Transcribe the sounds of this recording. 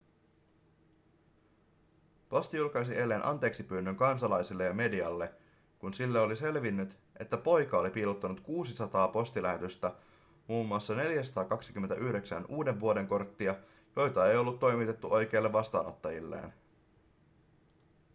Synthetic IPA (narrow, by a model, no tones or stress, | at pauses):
po̞st̪ijulkɑjsiʔe̞lːe̞ːnʔɑ̰nt̪e̞ːksipyːnːyŋkɑnsɑlɑjsilːe̞jɑme̞diɑlːe̞ | kunsilːeo̞lise̞lʋinːyt̪ | ʔe̞t̪ːæpo̞jkɑolipiːlut̪ːɑnut̪kuːsisɑt̪ɑːpo̞st̪ilæhe̞t̪yst̪æ | muːmːuɑsːɑne̞ljæsɑt̪ɑːkɑksik̟yment̪æ̰ʔyhde̞ksæ̰nuːde̞ʋːuo̞de̞ŋko̞rt̪ːiɑ | jo̞jt̪ɑe̞jo̞lːut̪ːo̞jmit̪e̞t̪ːuʔo̞jk̟e̞ːlːeʋːɑst̪ɑ̰ːno̞̰t̪ːɑjḭlːḛːn